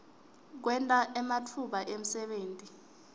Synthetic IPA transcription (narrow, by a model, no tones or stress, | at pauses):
k̬wɛntʼaʔɛmatʰuɓaʔem̩sɛɓeːntʼi